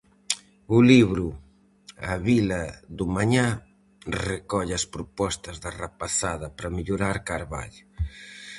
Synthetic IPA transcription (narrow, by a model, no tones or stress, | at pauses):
ʊliβɾu | aβilɐðʊmaɲa | rekɔʎɐspɾupɔst̪ɐzðarapaθaðɐpɾɐmiʎuɾaɾkaɾβa̰ʎ